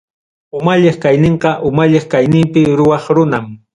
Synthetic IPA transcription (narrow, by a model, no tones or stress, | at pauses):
ʊmaʎeχkajnɪɴqɑʔʊmaʎeχkajnɪmpɪɾʊwɑχɾʊnam